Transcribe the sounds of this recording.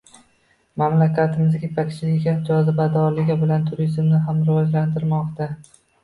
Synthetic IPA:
mamlakʲat̪ʰɪmɪzkʲepʰakʲt͡ʃʰɪlɪɡʲad͡ʒɒzɪbad̪ɒɾlɪɡʲabɪlant̪ʰʊɾizmnɪɦamɾɪvɒd͡ʒlant̪ʰɪɾmɒqt̪a

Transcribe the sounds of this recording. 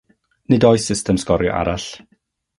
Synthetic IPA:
nɨdɔjsɪstɛmskɔɾjɔ̰ʔa̰ɾaɬ

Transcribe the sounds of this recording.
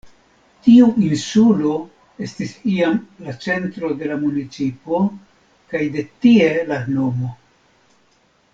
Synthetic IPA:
tiuinsulo̞ | e̞stisiamlat͡se̞ntɾo̞de̞lamunit͡sipo̞ | kajde̞tie̞lano̞mo̞

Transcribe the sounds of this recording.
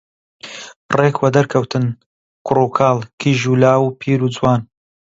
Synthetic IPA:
reːkʰwɐd̪ɐɾkʰɐwt̪ʰɨn | kʰʊrukʰaːlˠkʰiːʒuːlaːwpʰiːɾud͡zwaːn

